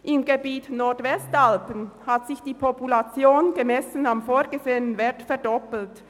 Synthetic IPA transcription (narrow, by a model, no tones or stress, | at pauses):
ʔɪmɡebiːtnɔɐtvɛstalpənhatzɪçd̥iːpʰɔpulat͡sjoːnɡəmɛsənamfoːɡəzeːənənvɛɐtfɛɐdɔpl̩t